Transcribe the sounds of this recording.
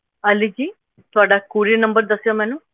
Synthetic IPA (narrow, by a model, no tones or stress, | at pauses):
ɐlːid͡ʒi | t̪ʋaːɽakuːɾinɐmbɐɾd̪ɐsjɐmenu